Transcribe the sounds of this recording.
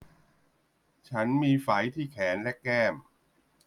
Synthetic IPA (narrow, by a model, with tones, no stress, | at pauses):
t͡ɕʰa˦˥nmiː˧fa˩˦jt̪ʰiː˥˩kʰɛː˩˦nlɛ˦˥kɛː˥˩m